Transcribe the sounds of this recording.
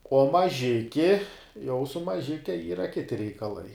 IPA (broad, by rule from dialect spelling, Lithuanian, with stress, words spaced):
uɔ mɐˈʒʲɪkʲɪ jɛʊ sʊ mɐˈʒʲɪkʲɛ ˈiːrɐ ˈkʲɪtʲɪ rʲɛɪkɐˈlˠɐɪ